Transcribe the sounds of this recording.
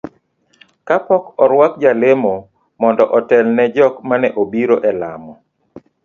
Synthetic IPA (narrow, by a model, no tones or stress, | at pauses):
kapɔkɔɾwak̚d͡ʒalemo | mɔndɔʔɔtɛlnɛd͡ʒɔkmanɛʔobiɾoʔɛla̰mɔ